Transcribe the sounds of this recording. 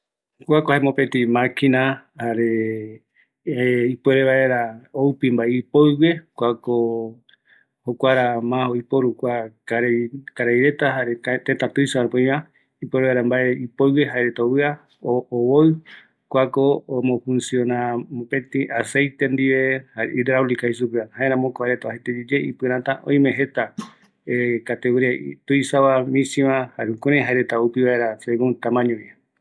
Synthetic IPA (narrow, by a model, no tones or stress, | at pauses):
kʷakohaemopẽt̪ĩmakʰinãhaɾe | ipweɾeβaeɾaowpimbaeipojwekʷako | hokʷaɾamãojpoɾukʷakaɾkaɾajɾe̞t̪aɦaɾet̪et̪at̪ujsoaɾepoj̃ã | ipweɾeβaɾambaʔeipoɨweɦaeɾet̪owɨa | oːβoj | kʷakomõfũnsiõnampẽt̪ĩʔasejt̪end̪iβeha̰id̪ɾaulikais̬upɾɨahaeɾãmõkoaɾet̪aahet̪ed͡ʒid͡ʒeipɨɾãt̪aʔõ̰j̃mẽɦe̞t̪a | ekat̪eβɾet̪ujsaβamĩsĩβãhaɾeũkuɾẽɦaeɾet̪aupiβaeɾaseɡũnt̪ãmãɲoβia